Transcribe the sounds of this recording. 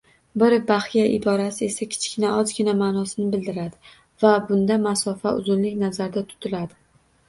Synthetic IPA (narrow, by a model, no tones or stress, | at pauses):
bɪɾbaχijaʔɪd̪ɒɾasɪe̞sakʲʰɪ̥t͡ʃkʲɪnaɒzɡʲɪnamaːnɒsɪnɪbɪld̪ɪɾad̪ɪ | vabʊnd̪amasɒfaʊ̰zʊnlɪkʲnazaɾd̪at̪ʰʊ̥t̪ʰɪlad̪ɪ